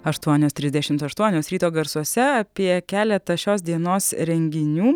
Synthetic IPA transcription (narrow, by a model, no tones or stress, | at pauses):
ɐʃt̪uɔnʲoːst̪ɾʲɪzd̪ʲɛʃʲɪmt̪ɐʃt̪uɔnʲoːsɾʲiːt̪oːɡɐɾsuɔsʲɛɐpʲiɛkʲæːlʲɛt̪ɐʃʲoːs̬d̪ʲiɛnoːsɾʲɛŋʲɡʲɪnʲuː